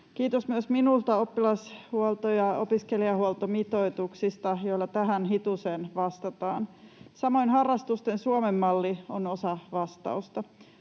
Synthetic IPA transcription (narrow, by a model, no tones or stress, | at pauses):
kiːt̪osmyøsminult̪ɑopːilɑshuolt̪ojɑopiskeliɑhuolt̪omit̪oit̪uksist̪ɑjoilːɑt̪æɦænɦit̪usenʋɑst̪ɑt̪ɑːnsɑmo̞inhɑrːɑst̪ust̪ensuomemːɑlːionosɑʋɑst̪ɑ̰ust̪ɑ